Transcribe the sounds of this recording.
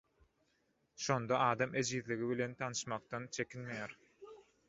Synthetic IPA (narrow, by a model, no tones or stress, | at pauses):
ʃo̞nd̪ɑɑːd̪ɑmed͡ʒiðliɣiβile̞nt̪ʰɑnɯʃmɑq̚t̪ɑnt͡ʃʰe̞kʰinmejæɾ